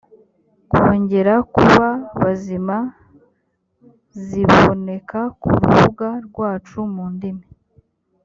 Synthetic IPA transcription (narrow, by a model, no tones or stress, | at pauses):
kwo̞ːɲɟe̞ɾakuβaβazima | ziβone̞kakṵɾṵβuɡaɾɡwaːt͡ʃumuːndime